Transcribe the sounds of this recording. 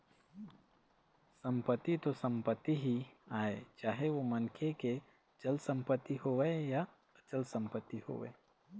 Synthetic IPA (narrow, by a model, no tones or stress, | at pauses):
sə̃mpət̪ːit̪osə̃mpət̪ːiɦiaːḛt͡ʃaːɦeʋomɐnkʰeke | d͡ʒəlsə̃mpət̪ːiɦoeja | ət͡ʃəlsə̃mpət̪ːiho̰ːʋḛː